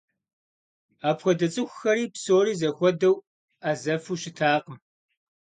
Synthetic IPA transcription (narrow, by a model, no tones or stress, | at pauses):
aːpxʷɔdɐt͡sʼɨxʷxɐɾiːpsoːɾiːzɐxʷɔdɐw | aːzɐfuːʃɪtʰaːqəm